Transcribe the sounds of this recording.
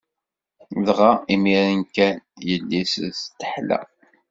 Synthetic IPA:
ðʁaimiɾənkænjəlːisst̪ːə̥ħlæ̰

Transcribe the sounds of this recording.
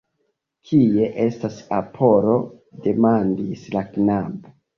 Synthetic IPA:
kʰie̞ʔe̞stasapʰo̞ɾo̞ | de̞mandislaknabo

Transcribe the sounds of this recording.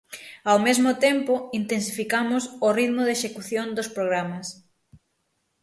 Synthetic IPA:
awmezmʊt̪empʊint̪ens̬ifikamʊsʊriðmʊðeʃekuθjond̪ospɾoɣ̞ɾamas

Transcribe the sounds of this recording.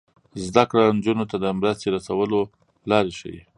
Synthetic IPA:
zd̪akɽand͡ʒunot̪ad̪əmɾəst̪eɾasawəlo | lɑɾeʃə̰wḭ

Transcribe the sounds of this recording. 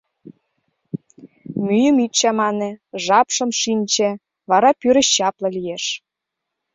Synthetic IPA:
myjə̆mit̪t͡ɕɑmɑnĕʒɑpʃɤ̆mʃinʲt͡ɕĕ | βɑɾɑpyɾə̆ɕt͡ɕɑplɤ̆lijeʃ

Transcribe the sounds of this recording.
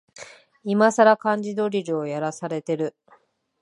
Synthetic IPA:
imasaɾakãɲ̟d͡ʑid̪o̞ɾʲiɾɯojaɾasaɾe̞t̪e̞ɾɯ̟

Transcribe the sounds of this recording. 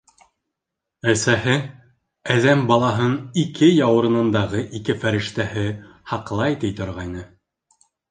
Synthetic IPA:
æsæhɘ | æðæmbɑlˠɑɦɤnikʰɘjɑwɤ̆ɾɤ̆nɤ̆nd̪ɑʁɤʔikɘfæɾɘ̆ʃt̪æhɘ | hɑqlˠɑjt̪ijt̪ŏɾʁɑjnɤ

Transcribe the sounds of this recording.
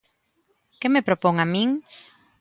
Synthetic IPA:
kemepɾopoŋamĩŋ

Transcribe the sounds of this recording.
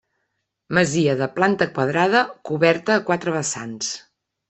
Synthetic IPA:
məziəðəplant̪əkwəðɾaðəkuβɛɾt̪əːkwat̪ɾəβəsa̰ns

